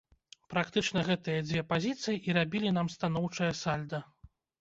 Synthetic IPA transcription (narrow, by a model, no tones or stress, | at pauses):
pɾakt̪ɨt͡ʂnɐɣɛt̪ɨjɐd͡zʲvʲɛpazʲit̪sɨjiʔiɾabʲilʲin̪amst̪an̪ɔwt͡ʂɐjɐsalʲd̪ɐ